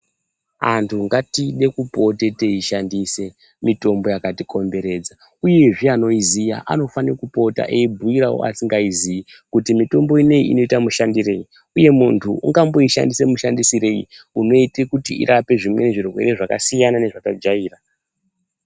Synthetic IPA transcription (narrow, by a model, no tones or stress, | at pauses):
a̰ntʰuŋɡatiɗe̞kupo̞te̞te̞iʃandise̞ | mito̞mbo̞jakatiko̞mbe̞ɾe̞d͡za | uje̞ʐiano̞izija̰ʔa̰no̞fanikupo̞ta̰ʔeibʱuiɾawo̰a̰siŋɡaizii | kutimito̞mbo̞ine̞ḭḭno̞itamuʃandiɾe̞i | uje̞muntʰuṵŋɡambo̞iʃa̰ndise̞muʃandisiɾe̞ḭuno̞itekutiḭɾʔape̞ʐimwe̞ne̞ʐirwe̞̰ɾe̞ʐakasijanane̞ʐakad͡ʒaiːra